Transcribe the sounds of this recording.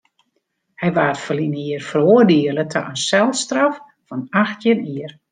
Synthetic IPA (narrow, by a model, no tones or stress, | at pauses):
hɛjʋaːtfəliniərfəroːərdiəlˠətʰa̰ʔənsɛlˠstraf | fɔnaxtjɪniər